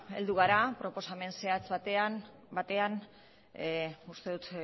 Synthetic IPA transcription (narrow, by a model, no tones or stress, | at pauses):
e̞ld̪uɣ̞aɾapɾo̞po̞same̞nse̞at͡sβat̪e̞an | bat̪e̞an | ust̪e̞ðut̪